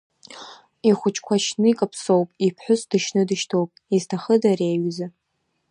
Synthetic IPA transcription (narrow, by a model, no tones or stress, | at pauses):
iχʷʊt͡ʃʼʰkʷʰaʃnɨikʼapʰsowpʼipʰħʷʊsdɨʃnɨdɨʃtʰowpʼiztʰaχədaraːɥza